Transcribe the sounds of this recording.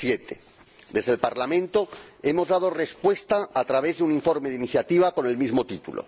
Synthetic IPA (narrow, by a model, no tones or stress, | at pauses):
sjet̪e | d̪e̞zðelpaɾlamẽ̞nt̪o̞e̞mo̞zðað̞o̞re̞spwe̞st̪aːt̪ɾaβ̞e̞zðeuniɱfo̞ɾmeðiniθjat̪iβ̞ako̞ne̞lmizmo̞t̪it̪ulʔo̰